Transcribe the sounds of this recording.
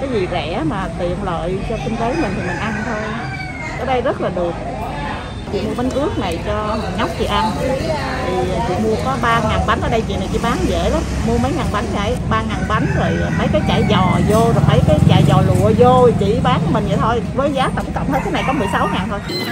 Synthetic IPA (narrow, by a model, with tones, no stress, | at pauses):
kaː˨˦jzi˨˩zɛ̰˧˩maː˨˩t̪ḭ˨ənlə̰ː˧˨jt͡ɕɔ˧kï˧ŋ̟t̪e˨˦mï˨˩ŋ̟t̪ʰi˨˩mi˨˩ŋ̟ʔa˧nt̪ʰo˧j | ʔəː˨˦ɗə˧jzə˦˥t̚laː˨˩ɗɨ˨˩ək̚ | t͡ɕḭ˧˨mu˧əɓa˨˦ŋ̟ʔɨ˦˥ək̚na˨˩jt͡ɕɔ˧ma˨˩nŋa˦˥wk͡p̚t͡ɕḭ˧˨ʔa˧n | t̪ʰi˨˩˨t͡ɕḭ˧˨mu˧əkɔ˨˦ɓaː˧ŋaː˨˩nɓa˨˦n̟ʔəː˨˩ɗə˧jt͡ɕḭ˨˧˨na˨˩jt͡ɕḭ˧˩˦ɓaː˨˦nzḛ˧˥laː˨˦m | mu˧əmə˨˦jŋaː˨˩nɓa˨˦jŋ̟a̰ː˧˩˦jɓaː˧ŋaː˨˩nɓa˨˦jŋ̟zo˨˩jfə˨˦jkaː˨˦jt͡ɕa̰ː˧˩jzɔ˨˩zo˧nɔ˨˦faː˧˩jkaː˨˦jt͡ɕa̰ː˧˩jzɔ˨˩lṵ˧˨əzo˧i˨˩t͡ɕḭ˧˩ɓaː˨˦nkːmï˨˩ŋ̟za̰˨˩jt̪ʰo˧jvəː˨˦jzaː˨˦˥t̪ə˧˩ŋ͡mkə̰˧˨wŋ͡m̪ʰə˧jkaː˨˦na˨˩jkɔ˨˦mɨ˨˩əjsa˨˦wŋaː˨˩nt̪ʰo˧j